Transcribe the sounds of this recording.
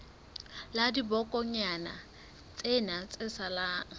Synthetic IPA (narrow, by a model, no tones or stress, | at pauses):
ladibɔkʼɔɲana̰ | t͡sʼenat͡sʼɪsalaːŋ̩